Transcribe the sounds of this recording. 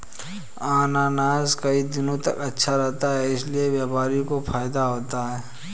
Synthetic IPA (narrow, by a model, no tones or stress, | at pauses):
aːnaːnaːzkəid̪ɪnõt̪ɐ̰kɐtːʃʰaɾɛɦt̪aɦɛɪslieʋjaːpaːɾikopʰaːjd̪aɦoːt̪aɦɛː